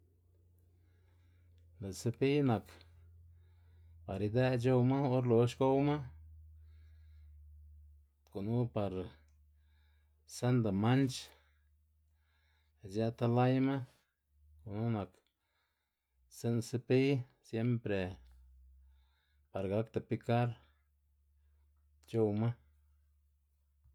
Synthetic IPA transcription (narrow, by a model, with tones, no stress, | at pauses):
ne˨sɨ˦pi˦jna˨k | pa˨ɾi˧d̪e˦d͡ʒo˦wma˦o˦ɾlo˨ʃko˦wma˦ | ko˨nu˦pa˨ɾ | sa˦nd̪a˨ma˦nt͡ʃ | ja˦t̪a˧la˦jma˦ | ko˨nu˦na˨k | se˦nse˦pi˦ | sje˦mpɾe˨ | pa˨ɾɡa˦kt̪a˨pi˧ka˦ɾ | t͡ʃo˦˧wma˦